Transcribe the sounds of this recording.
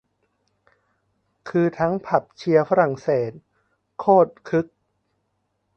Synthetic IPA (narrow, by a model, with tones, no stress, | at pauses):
kʰɯː˧t̪ʰa˦˥ŋpʰa˨˩p̚t͡ɕʰi˧ɐfa˦˥ɾa˨˩ŋseː˨˩t̪̚ | kʰoː˥˩t̪̚kʰɯ˦˥k̚